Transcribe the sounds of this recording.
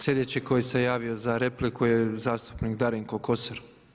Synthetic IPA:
slje̞d̪et͡ɕeko̞jese̞jaːʋio̞zaɾeplikuje̞zaːst̪u̥pnikd̪aɾiŋkokoseɾ

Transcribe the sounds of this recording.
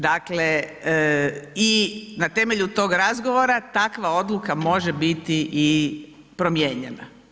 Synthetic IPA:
d̪akle | inat̪e̞meʎut̪o̞ːɡɾazɡoʋo̞ɾat̪akʋao̞d̪lukamo̞ʒebit̪iʔi | pɾo̞mjeːɲena

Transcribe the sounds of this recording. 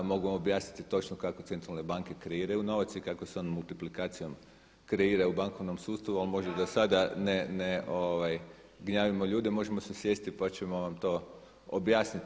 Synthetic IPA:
mo̞ɡuʋamobjaːsnit̪it̪o̞t͡ʃnokakot̪se̞nt̪ɾalˠne̞baŋke̞kɾeiːɾajuno̞ʋat̪sikakoseoːnmulˠt̪iplikaːt̪sijo̞m | kɾeiːɾaubaŋko̞ʋno̞msuːtst̪aʋualmo̞ʒd̪ad̪asad̪aneneoʋaj | ɡɲaːʋimo̞ʎuːd̪emo̞ʒe̞mosesje̞si̥t̪ipat͡ʃemo̞ʋamt̪o̞ː | o̰bjaːsnit̪

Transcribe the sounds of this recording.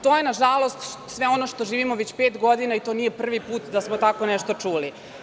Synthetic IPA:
t̪ojenaʒalˠost̪sʋeo̞noʃt̪o̞ʒiːʋimoʋet͡ɕpeːt̪ɡo̞d̪inait̪o̞ːnijepr̩ʋipuːt̪d̪asmot̪ako̞nɛʃt̪o̞t͡ʂuːli

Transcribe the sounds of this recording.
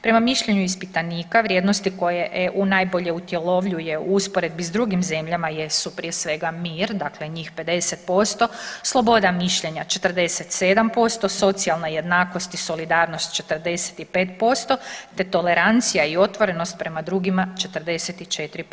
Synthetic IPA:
pɾe̞mamiʃʎe̞ɲuispit̪aniːkaʋɾjed̪nost̪iko̞jejeʔunajbo̞ʎe̞ut̪je̞lo̞ʋʎuje̞uuspoɾe̞d̪̚bizd̪ɾuɡimze̞mʎamajesupɾijesʋe̞ɡamiːɾd̪akle̞ɲiːxpe̞d̪e̞set̪̚po̞st̪o̞slˠo̞bo̞d̪amiʃʎe̞ɲat͡ʃe̞t̪rd̪e̞set̪se̞d̪ampo̞st̪o̞so̞t̪sialnaje̞d̪naːko̞st̪iso̞lid̪aːɾno̞st̪̚t͡ʃe̞t̪əɾd̪e̞se̥t̪ipe̞ːt̪po̞st̪o̞t̪e̞t̪o̞le̞ɾant̪sijaio̞t̪ʋo̞ɾe̞no̞st̪̚pɾe̞mad̪ɾuɡimat͡ʃe̞t̪əɾ̩d̪e̞set̪it͡ʃe̞t̪ɾip

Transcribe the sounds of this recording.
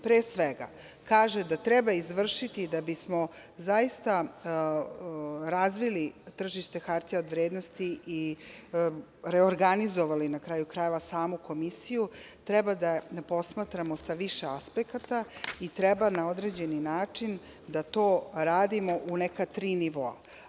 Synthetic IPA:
pɾeːsʋeɡa̰ | kaːʒed̪at̪ɾɛbaizʋr̩ʃit̪id̪abismo̞zaist̪a | ɾazʋilit̪r̩ʒiʃt̪e̞xaɾt̪ijaod̪ʋɾeːd̪nost̪iʔi | ɾeoɾɡanizo̞ʋalinakɾaːjukɾajeʋasaːmuko̞misijut̪ɾɛbad̪apo̞smat̪ɾamo̞saʋiʃe̞aspekat̪ait̪ɾebanao̞d̪ɾe̞d͡ʑe̞ninaːt͡ʂin | d̪at̪o̞ːɾaːd̪imo̞ʔunekat̪ɾiːniʋoa̰

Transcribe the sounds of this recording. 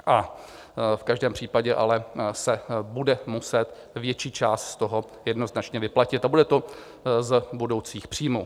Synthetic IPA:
ʔa | fkaʒdɛːmpr̥iːpaɟɛʔa̰lɛsɛbudɛmusɛt̪ | vjɛt͡ʃiːt͡ʃaːst̪st̪oɦo | jɛdno̞znat͡ʃɲɛvɪplacɪt̪abudɛt̪o̞ | zbudo̞wt͡siːxpr̝̥iːmu

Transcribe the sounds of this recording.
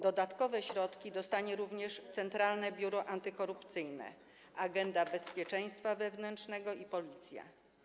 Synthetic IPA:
d̪ɔd̪at̪kɔvɛɕɾɔt̪kʲid̪ɔst̪aɲɛɾuvɲɛʂt̪sɛnt̪ɾalnɛbʲjuɾɔʔant̪ɘkɔɾupt̪sɘjnɛ̰ | aɡɛnd̪abɛspʲjɛt͡ʂɛj̃st̪favɛvnɛntʂnɛɡɔipɔlʲit̪sʲja̰

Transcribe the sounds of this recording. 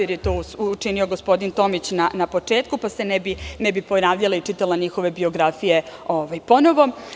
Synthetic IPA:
eɾjet̪oːuut͡ʃinio̞ɡo̞spo̞d̪int̪o̞mit͡ɕnanapo̞t͡ʂe̞ːt̪kupase̞nebinebipo̞naːʋʎalˠait͡ʃit̪alaɲixo̞ʋe̞bio̞ɡɾafije̞o̞ʋajpo̞no̞ʋo̞

